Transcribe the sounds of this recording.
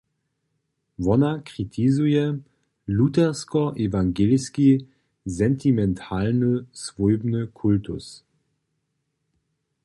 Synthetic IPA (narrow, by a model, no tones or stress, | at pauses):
vɔnakʁ̥itʰizujɛ | lutɛʁskɔʔevaŋɡelski | zɛntʰimɛntʰalnəsv̥ɔʏbnəkʰʊltʊ̰s